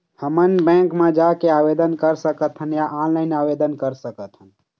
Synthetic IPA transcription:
həmənbɛ̃ŋkmẽd͡ʒakeabed̪ənkəɾsəkət̪ʰɦənjaʔãnlaɪnabed̪ənkəɾsəkət̪ʰɦən

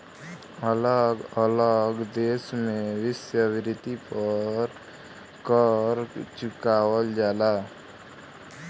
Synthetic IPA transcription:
ələɡələɡd̪eːsmewɪsjəʋɪɾɪt̪ipəɾ | kəɾt͡ʃʊkaːwəld͡ʒaːla

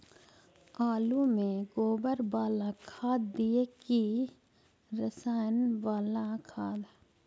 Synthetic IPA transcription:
aːlumẽɡoːbəɾbaːlãkʰaːd̪d̪ieki | ɾəsaːjənʋaːlãkʰaːd̪

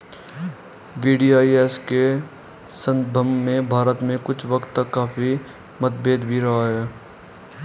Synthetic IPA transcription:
ʋiːɖiːaːiɛːske | sə̃nd̪bʱəmːẽbʱaːɾət̪mẽkʊt͡ʃʰʋɐkt̪ːɐkːaːfi | mɐt̪beːd̪bʱiɾɐɦaɦɛː

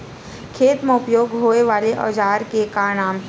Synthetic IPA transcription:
kʰeːt̪mɐʊpjoːɡɦoːeʋaːleʔɔ̰ːd͡ʒaːɾkekaːɾnaːmɦ

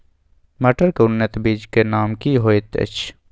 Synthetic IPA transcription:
mɐʈəɾkʊnːət̪biːd͡ʒkenaːmkiɦoːet̪ḛt͡ʃʰ

